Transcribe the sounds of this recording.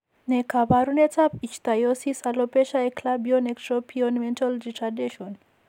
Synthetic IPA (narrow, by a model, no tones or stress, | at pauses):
nekʰabaɾunet͡sapit͡ʃt̪ajosisalopeʃaekʰlabijonekʈɾopʰiɔnmentalɾiʈadeʃɔn